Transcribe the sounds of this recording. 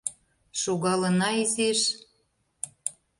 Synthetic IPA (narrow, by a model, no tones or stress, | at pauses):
ʃoɣɑlə̆nɑizeʃ